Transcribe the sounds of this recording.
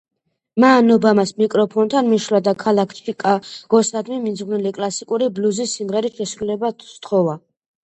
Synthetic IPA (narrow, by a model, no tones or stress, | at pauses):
maːnɔbamasmikʼɾɔpʰɔnt̪ʰanmiʃɾlad̪akʰalˠakʰt͡ʃʰikʼaɡ̥ɔsad̪miminzʁwvnilikʼlˠasikʼuɾibluzisːimʁɛɾit̪ʃɛsɾulɛbat̪ʰt̪ʰχɔva